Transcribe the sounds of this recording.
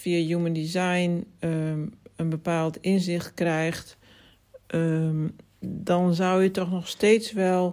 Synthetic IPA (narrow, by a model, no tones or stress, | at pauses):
fiəjuməndizajn | ənbəpaːlˠtɪnzɪxt̚krɛjxt | dɔnzawjətɔxnɔxsteːtsʋɛlˠ